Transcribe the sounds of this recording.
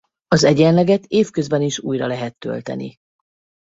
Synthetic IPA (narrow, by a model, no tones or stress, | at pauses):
ɒzɛɟɛnlɛɡɛt̪eːfkø̞zbɛniʃuːjrɒlɛɦɛt̪ːø̞̰lt̪ɛ̰nḭ